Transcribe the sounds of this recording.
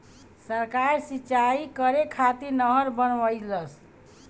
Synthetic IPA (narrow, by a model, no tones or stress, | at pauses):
səɾkaɾsit͡ʃaikəɾekʰat̪iɾnəɦəɾbənʋəjləs